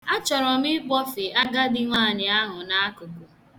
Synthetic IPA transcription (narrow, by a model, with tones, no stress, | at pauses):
a˦t͡ʃɔ˨ɾɔ˨mɪ˦k͡pɔ˦fɪ˨a˦ɡa˦dɪ˦ŋʷa˦˨ɲɪ˨a˦ɦʊ˨na˦a˦kʊ˨kʊ˨